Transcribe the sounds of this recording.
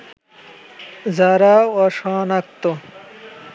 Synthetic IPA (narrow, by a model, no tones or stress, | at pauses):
zaɾaɔʃanak̚t̪o